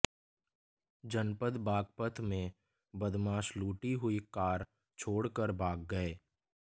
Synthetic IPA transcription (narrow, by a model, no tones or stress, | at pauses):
d͡ʒənpəd̪baːɡ̚pət̪ʰmẽ | bəd̪maːʃluːʈiɦʊikaːɾ | t͡ʃʰoːɽkəɾbʱaːk̚ɡəeː